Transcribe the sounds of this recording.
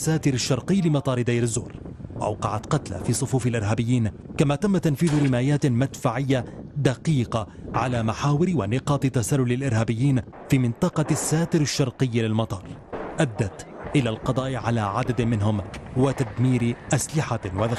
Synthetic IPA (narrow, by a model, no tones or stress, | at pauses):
sːaːt̪ɪɾaʃːɑɾˤqɨjːlɪmɑt̪ˤɑːɾˤɪd̪ajɾɪzːṵːɾwa̰ʔa̰wqɑʕat̪qɑt̪la̰fiːsˤʊfuːfalʔɪɾɦaːbɪjːiːnkamaːt̪amːat̪anfiːðʊɾɪmaːjaːt̪mad̪faʕɪjːad̪aqiːqɑ | ʕalaːmaħaːwɪɾwanɪqɑːt̪ˤɨt̪asalːʊlɪlʔɪɾhaːbɪjːiːn | fiːmɪnt̪ˤɑqɑsːaːt̪ɪɾɪʃːɑɾˤqɨjːlɪlmɑt̪ˤɑːɾˤʔad̪ːat̪ʔɪlaːlqɑd̪ˤɑːʔɪʕalaːʕad̪ad̪mɪnɦʊmwɪt̪ad̪miːɾɪʔaslɪħawaða